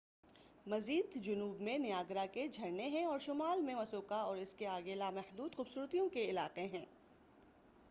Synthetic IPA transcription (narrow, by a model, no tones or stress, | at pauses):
mɐziːd̪d͡ʒʊnuːbmẽnɪjaːɡɾaked͡ʒʱɐɾneɦɛ̃ɔːɾʃʊmaːlmẽmɐsoːkaɔːɾɪskeaːɡeːlamɛhd̪uːd̪xʊːbsuːɾt̪ijõkeɪla̰ːqeɦɛ̃ː